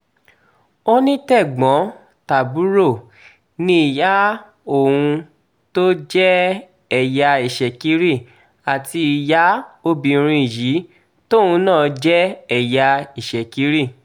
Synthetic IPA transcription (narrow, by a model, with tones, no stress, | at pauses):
o˦nĩ˦tɛ˦˨ɡ͡bɔ̃˨˦ | ta˨bu˨˦ɾo˦˨ | nĩ˧˦i˨ja˨˦ | o˦˨wũ˧ | to˦d͡ʒɛ˦ | ɛ˨ja˧i˨ʃɛ˨ki˨˦ɾi˦˨ | a˨ti˧i˨ja˨˦o˧bi˨˧ɾ̃ĩ˧i˨ji˨˦ | to˦˨ũ˨˧˦nãː˦˨d͡ʒɛ˦ɛ˨ja˧i˨ʃɛ˨ki˨˦ɾi˦˨